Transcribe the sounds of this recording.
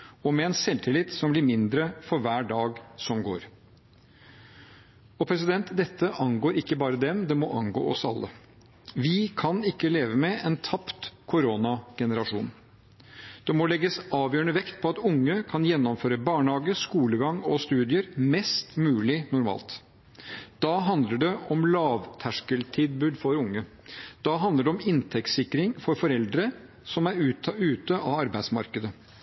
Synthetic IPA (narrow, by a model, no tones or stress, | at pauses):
ɔmɛɛnsɛlt̪ʰɪlɪt̪sɔmblɪɾmɪnd̪ɾəfɔɾʋæːɖɑːɡsɔmɡo̰ːɾ | ɔpʰɾɛs̬ɪd̪ɛnt̪d̪ɛt̪ːəʔɑŋɡoːɾɪkːəbɑːɾəd̪ɛmd̪ɛmɔʔɑŋɡo̰ːʔɔsɑlːə̰ | ʋɪkʰɑnɪkːəleːʋəmɛɛnt̪ʰɑpt̪kʰʊɾoːnɑɡ̥ɛnəɾɑʂṵːn | d̪̥ɛmɔlɛɡːəsɑːʋjøːəɳəʋɛkt̪̚pʰɔɑt̪ʊŋːəkʰɑnjɛnːɔmføːɾəbɑːɳhɑːɡəskuːləɡɑŋɔst̪ʉːd̪ɪəɾmɛst̪mʉːlɪnʊɾmɑ̰ːlt̪ | d̪̥ɑɦɑnd̪ləɖɛɔmlɑːʋt̪ʰæʂkəlt̪ʰɪd̪bʉːd̪fɔɾʊŋːə | d̪̥ɑɦɑnd̪əɖɛɔmɪnt̪ʰɛkt̪sɪkːɾɪŋfɔɾfɔɾɛld̪ɾə | sɔmæɾʉːt̪əʔɑɑɾbæɪd̪smɑ̰ɾkəd̪ə